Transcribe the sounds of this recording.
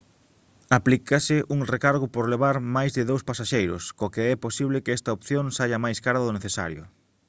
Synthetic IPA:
aplikasɪʔuŋrekaɾɣopoɾleβ̞aɾmajzðɪðowspasaʃejɾʊ̰skokeɛposiβlɪkɪɛst̪ɐopθjoŋsajɐmajskaɾɐðoneθesa̰ɾjʊ̰

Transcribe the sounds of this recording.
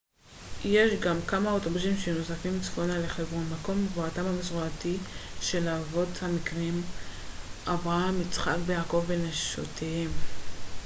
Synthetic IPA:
je̞ʃɡamkamao̞tobusimʃeno̞safimt͡sfonaleχevʁomako̞mvoatamhamesʁuatiʃe̞laːvo̞thamikʁim | ʔavʁamit͡sχakbejaːko̞vːeneʃo̰tʰehem

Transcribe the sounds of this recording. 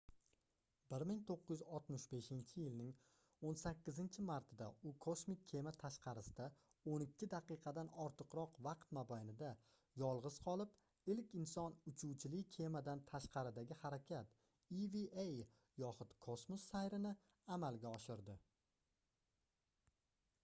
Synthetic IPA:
bɪɾmɪŋt̪ʰoqːɨzjɪzɒt̪mɪʃbe̞ʃɪnt͡ʃʰɪjɪlnɪŋ | onsakʲːɪzɪnt͡ʃʰɪmaɾt̪ʰɪd̪aʊkʰosmɪkʲːʰe̞mat̪ʰaʃqʰɑɾɪsɪd̪̥a | onɪkʲʰːɪd̪aqɨqʰɑd̪anɒɾt̪ʰɨqɾɒqvɑqt̪mabajnɪd̪a | jɒlˠʁɨz̥qʰɒlˠɪp | ɪlkʲɪnsɒnʊt͡ʃʰuwt͡ʃʰɪlɪkʲʰe̞mad̪ant̪ʰaʃqɑɾɪd̪aɡʲɪhaɾakʲʰat̪ | iviej | jɒχʊt̪kʰo̞smosːajɾɪnɪ | amalɡʲaɒʃɪɾd̪ɪ

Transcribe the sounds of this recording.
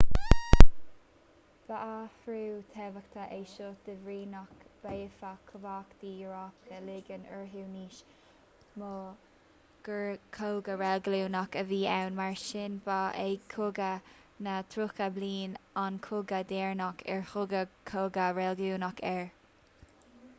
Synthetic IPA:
b̥aʔafɾuːt̪ʰɛvəkt̪ʰəʔejʃoːt̚d̪̥əvɹiːnɔkb̥ejfakʰəvaːkd̪̥iːəɹaːp̚əlɪɡənəɹɦuːniːʃ | mo | ɡ̥əɹkʰowɡəɹɛlɡluːnɔkəviːawnmaɹʃɪnbaʔekʰʊɡə | nət̪ʰɾʊkəbliːnankʰʊɡəd̪ɛːɹnɔkʰɛ̰ɹhʊɡəkʰoːɡəɹɛlɡluːnɔkʰɛɹ

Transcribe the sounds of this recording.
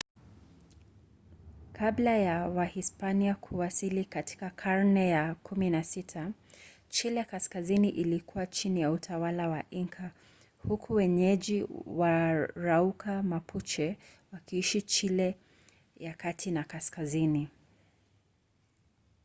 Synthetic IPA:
kʰablajawahispaniakʰuwasilikati̥kakʰaɹnɛjakʰuminasitʰa | t͡ʃilɛkaskaziniʔilikuwat͡ʃinijautʰawalawaʔiŋkʰa | hukʰuwɛɲɛʄiwaɾaukʰamapʰut͡ʃɛwakiiʃit͡ʃilɛ | jakatʰinakaskazini

